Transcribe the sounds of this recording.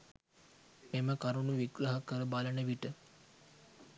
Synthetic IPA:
eməkaɾunuʋiɡɾəɦəkəɾəbalənəʋiʈə

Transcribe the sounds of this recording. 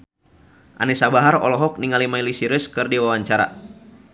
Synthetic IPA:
ʔa̰nɛsabaɦaɾɔ̰lɔɦɔk̚niŋalimailisiɾɨskɨrdiwawaɲt͡ʃaɾa̰

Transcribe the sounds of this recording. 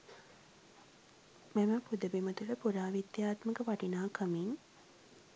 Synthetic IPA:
meməpud̪əbimət̪uləpuɾaːʋid̪jaːt̪məkəʋaʈinaːkʰəmin

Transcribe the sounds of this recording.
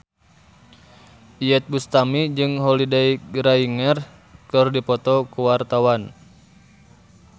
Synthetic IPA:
ijɛt̪̚bust̪amid͡ʒɨŋɦɔlidɛjɡɾaiŋər | kɨrdipɔt̪ɔkuwart̪awan

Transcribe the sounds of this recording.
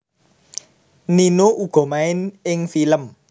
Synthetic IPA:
ninouɡ̥ɔ̤maɪnɪŋfiləm

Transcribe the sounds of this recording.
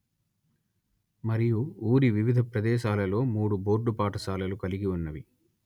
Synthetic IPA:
mɐɾijuuːɾiʋiʋid̪ʱɐpɾɐd̪ɛːʃaːlɐlo̞ːmuːɽubo̞ːɾɖupaːʈɐsaːlɐlukɐliɡiunːɐʋi

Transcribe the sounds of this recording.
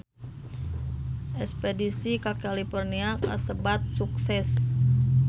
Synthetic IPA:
ʔɛspedisikakalifɔrniakasəbat̪̚suksɛs

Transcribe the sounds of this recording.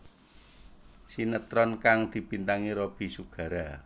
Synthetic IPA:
sinət̪ɾɔnkaŋd̪̥i̤pint̪aŋiɾob̥i̤suɡ̥ä̤ɾa

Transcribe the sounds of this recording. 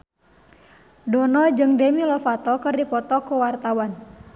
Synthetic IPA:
dɔnɔd͡ʒɨŋdemilɔfat̪ɔkɨrdipɔt̪ɔkuwart̪awan

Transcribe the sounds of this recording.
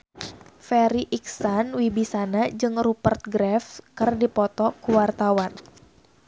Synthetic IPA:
fɛɾiʔiksanwibisanad͡ʒɨŋrupərt̪̚ɡɾɛfkɨrdipɔt̪ɔkuwart̪awan

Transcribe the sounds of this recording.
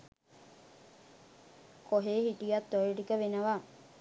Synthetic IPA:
koɦeːɦiʈijat̪ːojeʈikəʋenəʋa

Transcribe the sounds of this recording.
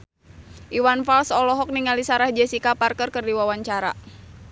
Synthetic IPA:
ʔiwanfalsɔlɔɦɔk̚niŋalisaɾahd͡ʒɛsikaparkərkərdiwawaɲt͡ʃaɾa̰

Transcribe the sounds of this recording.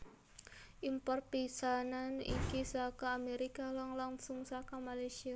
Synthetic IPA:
ʔimpɔr̚pisananḭkisakaːmeɾikalaŋlaŋsʊŋsakamalajsia

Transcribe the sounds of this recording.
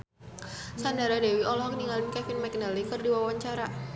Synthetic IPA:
sandaɾadɛwiʔɔlɔɦɔk̚niŋalinkɛfinmɛk̚nalikərdiwawaɲt͡ʃaɾa

